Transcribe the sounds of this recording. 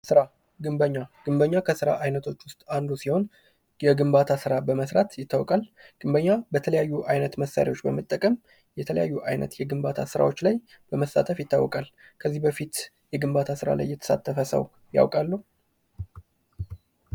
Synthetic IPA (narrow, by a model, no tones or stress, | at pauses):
sɨɾa | ɡɨmbəɲːaɡ̥ɨmbəɲːakʰəsɨɾa̰ʔajnət̪ʰo̞t͡ʃːwʊst̪ʼand̪usiho̞n | jɛɡɨmbat̪ʰasɨɾabəməsɾat̪jɪt̪ʰːawɔkʼalɡ̥ɨmbəɲːabət̪ʰələjajːuʔajnət̪məsa̰ɾḛwo̞t͡ʃːbəmət̪ʼːəkʼəm | jɛt̪ʰələjajːuʔajnə̰t̪jɛɡɨmbat̪ʰasɨɾa̰wo̞t͡ʃːlaj | b̥əməsːa̰t̪ʰəfjɪt̪ːawːɔkʼal | kʰəzːihbəfit̪ | jɛɡɨmbat̪ʰasɨɾa̰la̰jːɛt̪ʰə̥sa̰t̪ʰːəfəsə̰w | ja̰wkʼalːəu